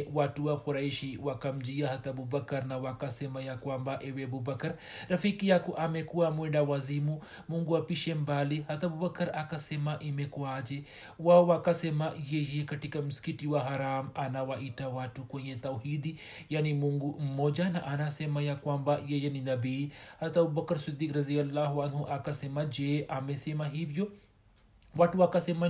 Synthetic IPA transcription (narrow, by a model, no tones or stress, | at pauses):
watuwakuɾaiʃiwakam̩d͡ʒiahat̪abubakɐɾnawakasɛmajakwambaʔɛwɛbubakaɾ | ɾafikijakuʔamɛkuamwɛɳdawazimu | muŋɡuapiʃɛmbalihat̪abubakɐɾakasɛmaʔimɛkuad͡ʒɛ | wawakasemajejekɐʈikɐmuskiʈiwaɦɐɾaːmɐnawaʔitawaʈːukweɲet̪ɐwhid̪i | janimuŋɡumod͡ʒanaʔanasemajakwambajejeninɐbihɐt̪ɐbubɐkɐɾsid̪ːiːkɾɐzijɐlːaːɦuanhuʔɐkasemad͡ʒeʔamesemaɦivjo | waʈuakasema